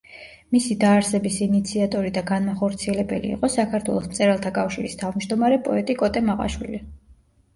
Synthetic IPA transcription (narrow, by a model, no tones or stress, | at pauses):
misid̪aːɾsɛbisinit̪sʰiat̪ʼɔɾid̪aɡanmaχɔɾt̪sʰiɛlɛbɛ̰lḭːqʼɔsakʰaɾt̪ʰwɛ̰lˠɔsmt̪sʼɛɾalˠt̪ʰakʼafʃiɾist̪ʰavmd͡ʒd̪ɔmaɾɛpʼɔɛt̪ʼikʼɔt̪ʼɛmaʁa̰ʃwḭli